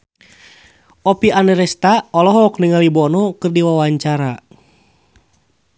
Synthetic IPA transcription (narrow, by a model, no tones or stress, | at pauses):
ɔpianɛɾɛst̪aɔlɔɦɔknəŋalibɔnɔkɨrdiwawaɲt͡ʃaɾa